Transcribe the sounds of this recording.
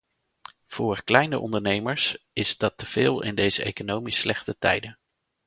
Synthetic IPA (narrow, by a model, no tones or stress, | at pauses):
v̥ʊːɹklɛjnəʔɔ̰ndəɹnejməɹsɪzdɑtəv̥ɪːlˠɪ̰ndejzəʔḛjkonowmislɛχtətɛjdən